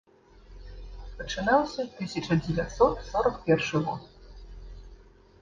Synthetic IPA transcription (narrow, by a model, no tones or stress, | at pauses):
pɐt͡ʂɨnawsʲɐt̪ɨsʲɐt͡ʂɐd͡zʲɪvʲat̪sɔt̪sɔɾɐkpʲɛrʂɨɣɔt̪